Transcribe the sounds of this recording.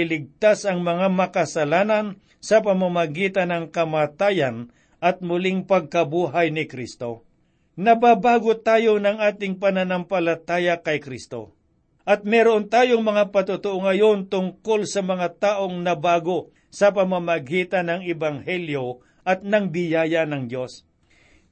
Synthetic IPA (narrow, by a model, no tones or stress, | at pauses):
ɪlɪɡ̚t̪asɐŋmɐŋamɐkɐsɐlaːnɐn | sɐpɐmamɐɡiːt̪ɐnɐŋkɐmaːt̪aːjɐn | ʔɐt̪̚mʊlɪŋpɐɡ̚kɐbuːɦajnɪkɾist̪o̞̰ | nɐbabaːɡot̪aːjo̞nɐŋʔaːt̪ɪŋpɐnɐnɐmpɐlɐt̪aːjɐkɐjkɾist̪o̞̰ | ʔɐt̪̚mɛɾoʔont̪aːjoŋmɐŋapɐt̪ʊt̪ʊʔoŋɐjo̞nt̪ʊŋko̞lsɐmɐŋat̪aːʔo̞ŋnɐbaːɡo̞ | sɐpɐmamɐɡiːt̪ɐnɐŋɛbɐŋhɛljo̞ | ʔɐt̪̚nɐŋbɪjaːjɐnɐŋd̪jo̞s